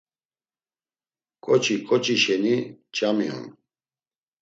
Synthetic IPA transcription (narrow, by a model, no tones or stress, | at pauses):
kʼɔt͡ʃʰʼikʼɔt͡ʃʼiʃɛnit͡ʃʼamiɦṵn